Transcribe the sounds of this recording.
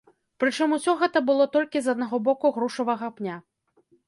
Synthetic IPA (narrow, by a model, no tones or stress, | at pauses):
pɾɨt͡ʂɨmusʲɔɣɛt̪ɐbɨlˠɔt̪ɔlʲkʲizɐd̪̚naɣɔbɔkuɣɾuʂɐvɐɣɐpnʲa